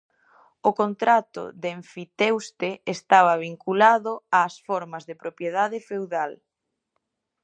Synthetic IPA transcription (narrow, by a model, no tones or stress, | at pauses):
ʊkont̪ɾat̪ʊ̰ðeɱfit̪ewst̪eest̪aβɐβ̞iŋkulaðʊaːsfɔɾmɐzðepɾopjeð̞aðɪfewðal